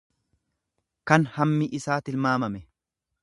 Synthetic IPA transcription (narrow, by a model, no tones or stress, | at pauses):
kɐnhɐmːɪʔɪsaːt̪ɪlmaːmɐmɛ